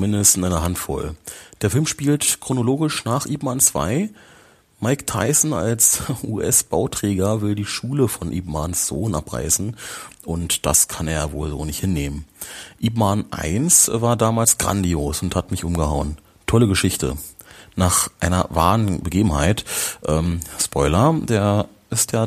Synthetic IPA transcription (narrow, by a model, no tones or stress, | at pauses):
t͡sʊmɪndəstɪnʔaɪnɐɦantfɔ̰ld̥eːɐfɪlmʃpiːltkʁ̥onoloːɡɪʃnaːχʔiːpmant͡sv̥a̰ɪ | maɪktʰa̰ɪsn̩a̰lsʔuːʔɛsb̥aʊtʁ̥ɛːɡɐvɪldiːʃuːləfɔnʔḭːpmansz̥o̰ːnʔa̰pʁa̰ɪsn̩ʔʊntd̥a̰skʰaneːɐvoːlzoːnɪçthɪnːeːmənʔiːpmanʔa̰ɪnsvaːɐdaːmaːlsɡ̥ʁa̰ndioːsʊnthatmɪçʔʊmɡəhaʊən | tʰɔləɡəʃɪçtə̰ | naːχʔaɪnɐ̰va̰ːʁənbəɡeːbm̩ha̰ɪtʔɛːmspʰɔʏlɐdeːɐ | ʔɪstjaː